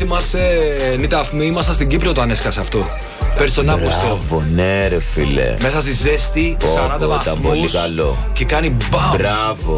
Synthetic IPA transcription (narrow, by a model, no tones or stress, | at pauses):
imɐsenit̪ɐfmimɐsɐst̪iɟipɾiot̪oɐneskɐseɐft̪o̞ | peɾist̪o̞nɐaɣost̪ovoneɾefḭlḛme̞sɐs̬t̪izest̪isoɐnɐt̪ɐit̪ɐmpolikɐlo | cekɐnibɐbɾa | vo